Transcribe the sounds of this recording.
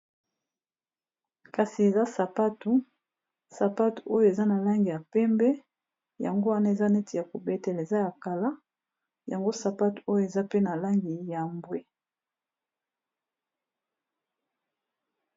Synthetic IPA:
ka˨si˨e˨za˦sa˨pa˦tu˨˦ | sa˨pa˦tu̥˨o˦jo˨e˨za˦na˨la˦ŋɡi˨ja˨pɛ˦mbɛ˦ | ja̰˨ŋɡo˦wa˦na˦e˨za˦nɛ˦tʰi˨ja˨ko˨bɛ˦tɛ˨le˨za˦ja˨ka˨la˦ | ja˨ŋɡo˦sa˨pa˦tu̥˨o˦jo˨e˨za˦pe˦na˨la˦ŋɡi˨ja˨mbwe˦

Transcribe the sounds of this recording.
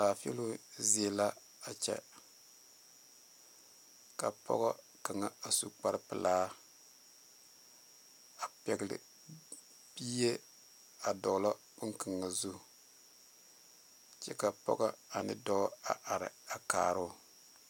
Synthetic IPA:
aː˨fḛ˦lu˦ze˨la˦ | a˨t͡ʃɛ̰˦ | ka˨pʰɔ̰˦ɣɔ˦ | ka˨ŋa˨a˨su˨k͡pa˦ɾpɨ˨laː˦ | a˨pɛ˨ɡlɪ̰˨ | biː˦je˦ | a˨dɔ˨lɔ˦ | bʊ˦ŋka˨ŋːa˨zu˦˨ | t͡ʃɛ˦ka˨pɔ̰˦ɡa˦a˨nɪ˦dɔ˦a˨ʔa˨ɾɪ̰˨a˨ka̰ː˨ɾʊ˦

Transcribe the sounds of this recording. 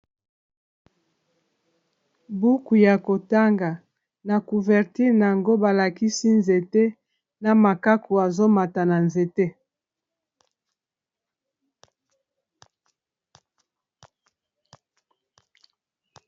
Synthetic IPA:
bu˦ku˨ja˨ko˨ta˦ŋɡa˨ | na˨ku˨vɛ˨ʁti˦ʁna˨ŋɡo˦ba˨la˨ki˦si˦nze˨te˦ | na˨ma˨ka˦ku˨a˨zo˦ma˨ta˨na˨nze˨te˦

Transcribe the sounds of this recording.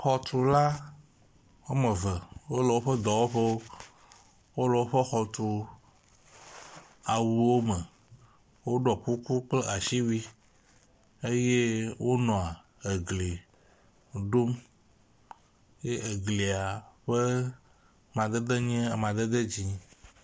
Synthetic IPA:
xɔ˨t̪u˨la˦ | wo˦mə̃˨və˨wo˦lə˨wo˦ɸə˦d̪ɔ˨wo˦ɸe˦o˦ | wo˦lɔ˨wo˦ɸə˦xɔ˨t̪u˨ | a˨wu˨wo˦mə̃˨ | wo˦ɖɔ˨ku˦ku˦k͡ple˦ʔa˨ʃi˦wi˦ | e˦je˦wo˦nɔ̃˨a˨ | e˨ɡle˨ | ɖo˦m | je˦ʔe˨ɡle˨a˨ɸə˦ | mã˨d̪e˦d̪e˦ɲɛ̃˦a˨mã˨d̪e˦d̪e˦d͡ʑi˨

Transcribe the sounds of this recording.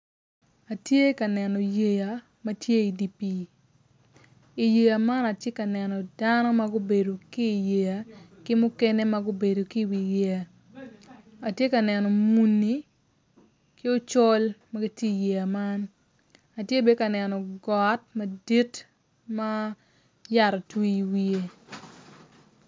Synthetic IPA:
a˨tje˦ka˨nɛ˨nɔ˨je˨ja˨ | mɐ˦tje˦i˨di˨pi˦˨ | i˨je˨ja˨ma˦na˨tje˦ka˨nɛ˨nɔ˨danɔ˦ma˦ɡʊ˦be˨do˨kiː˦˨je˨ja˨kɪ˦mʊ˦kɛ˦ne˦ma˦ɡʊ˦be˨do˨ki˦˨wi˨je˨a˨ | a˨tje˦ka˨nɛ˨nɔ˨mu˨nːi˦ | kɪ˦o˦t͡ʃɔ˦lmɐ˦ɡi˦tje˦i˨je˨a˨ma˦n | a˨tje˦˨be˦ka˨nɛ˨nɔ˨ɡɔ˨t̚mɐ˨di˦t | ma˦ | ja˨ɾɔ˨twi˦i˦wi˦e˦

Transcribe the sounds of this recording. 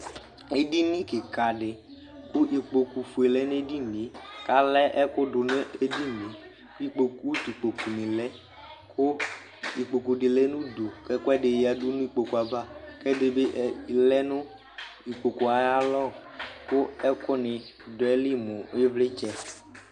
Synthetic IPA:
e˦di˦nĩ˦ke˨ka˨ɖɪ˨ | kʊ˦ʔi˨k͡po˨ku˨fu˨e˨lɛ˦n˦e˦di˦ne˨˦ka˦lɛ˦ʔɛ˦kʊ˦dʊ˨ne˦e˦di˦nẽ˨ | ki˦k͡po˨ku˦ti˨k͡po˨ku˨nĩ˨lɛ˦ | kʊ˦ | i˨k͡po˨ku˨ɖɪ˨lɛ˦nũ˦du˨kɛ˦kʊ˦ɛ˦ɖe˨ja˨du˦nũ˦i˦k͡po˨ku˨a˨ba˦kɛ˦de˨be˦ʔlɛ˦nʊ̃˦ | i˨k͡po˨ku˨a˨ja˦lɔ˦˨kʊ˦ɛ˦kʊ˦nɪ˨dʊ˨ɛ˦li˦mʊ˨˦vlɪ˦t͡ʃɛ˦

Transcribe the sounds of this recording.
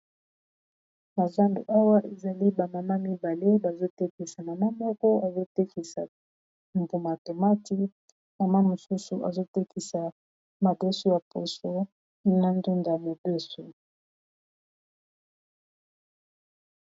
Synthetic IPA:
ma˨za˦ndṵ˨ʔa˦wa˦ʔe˨za˨li˦ba˨ma˨ma˦mi˦ba˨le˦ba˨zo˦tɛ˦ki˨sa˨ma˨ma˦mɔ˦kɔ˦a˨zo˦te˦ki˨sa̰˨ | mbu˨ma˨to˨ma˦ti˦ | ma˨ma˦mo˨su˦su˨ʔa̰˨zo˦tɛ˦ki˨sa˨ | ma˨bɛ˦so˦ja˨po˨so˦ | i˦na˦ndu˦nda˨me˨be˦so˨

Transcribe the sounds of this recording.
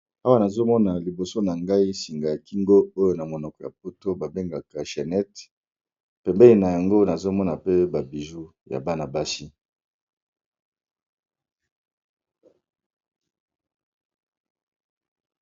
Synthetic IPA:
a˦wa˦na˨zo˦mɔ˦na˨li˨bo˨so˦na˨ŋɡa˦i˦si˨ŋɡa˨ja˨ki˦ŋɡo˦o˦jo˨na˨mo˨nɔ˨kɔ˨ja̰˨p̚o˦to˦ba˨be˦ŋɡa˨ka˨ʃɛ˨nɛ˦t | pɛ˨mbɛ˦li˨na˨ja˨ŋɡo˦na˨zo˦mɔ˦na˨pe˦ba˨bi˨zu˦ja̰˨ba˦na˨ba˦si˦

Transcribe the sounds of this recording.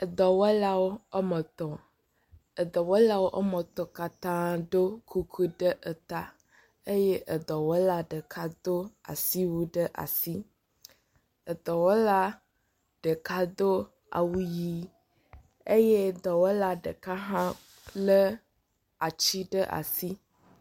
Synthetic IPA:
ə˨d̪ɔ˨wɔ˦la˦wo˦ə˦mə˨t̪ɔ˨ | ə˨d̪ɔ˨wɔ˦la˦wo˦ʔə˦mə˨t̪ɔ˨ka˦t̪ã˦ɖ̪o˦kʰu˦kʰu˦ɖə˦ʔə˨t̪a˦ | e˦je˦ʔə˨d̪ɔ˨wɔ˦la˦ɖə˨kʰa˦d̪o˦a̰˨si˦wu˦ɖə˦ʔa̰˨si˦ | ə˨d̪ɔ˨wo˦la˦ | ɖ̥ə˨ka˦d̪o˦ | a̰˨wu˦ji˦ | e˦je˦˨d̪ɔ˨wo˦la˦ɖə˨ka˦ɦã˦ | lə˦ | a˨t͡ɕi˦ɖə˦ʔa̰˨si˦

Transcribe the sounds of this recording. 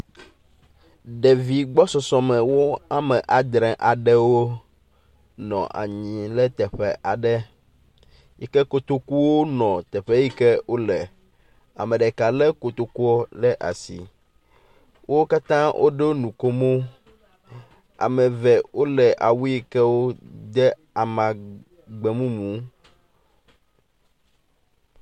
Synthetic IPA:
ɖɛ˨vi˨ɡ͡bɔ˦sɔ˨sɔ̃˨mɛ̃˨wo˦a˦mɛ˨ʔa˨d̪ɾɛ̃˨ʔa˨ɖɛ˦wo˦ | nɔ̰̃˨ʔa̰˨ɲĩ˨lɛ˦t̪ɛ˨ɸɛ˦˨ʔa˨ɖɛ˦ | ji˦kɛ˦ko˦t̪o˦ku˦wo˦nɔ̃˨t̪ɛ˨ɸɛ˦ji˦kɛ˦wo˦lɛ˨ | a̰˨mɛ̃˨ɖɛ˨ka˨lɛ˦ko˨t̪o˦ku˦ɔ˦lɛ˦ʔa̰˨sḭ˨ | wʔo˦o˦ka˦t̪ã˦wʔo̰˦ɖe˦wo˦nũ˨ko˦mo˦ | a̰˨mɛ̃˨vɛ˨wo˦lɛ˨ʔa˨wu˦i˦kɛ˦wo˦d̪ɛ˦ | a˨mã˨ | ɡ͡bɛ˨mũ˦mũ˨˦

